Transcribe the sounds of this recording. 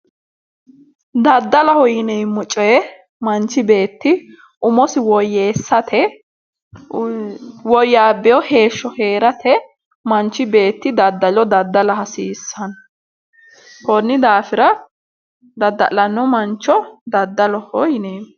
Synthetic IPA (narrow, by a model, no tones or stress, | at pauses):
d̪ɐd̪ːɐlɐhɔjɪnejmːʊt͡ʃʼːɔjɛ | mɐnt͡ʃːɪbe̞ːt̪ːɪ | ʔʊmɔsɪwɔjːeːsːɐt̪ʰɛ | wɔjːaːbɛjɔhe̞ːʃːɔhe̞ːɾɐt̪ʰɛ | mɐnt͡ʃːɪbe̞ːt̪ːɪd̪ɐd̪ːɐlɔd̪ɐd̪ːɐlɐhɐsiːsːɐn | hɔnːɪd̪aːfɪɾɐ | d̪ɐd̪ːɐ̰lɐnːɔmɐnt͡ʃːɔd̪ɐd̪ːɐlɔhɔjɪneː